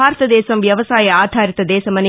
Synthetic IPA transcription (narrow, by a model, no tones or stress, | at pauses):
aːɾɐt̪ɐd̪eːsɐmʋjɐʋɐsaːjɐaːd̪ʱaːɾɪt̪ːɐd̪eːsɐmɐnɪ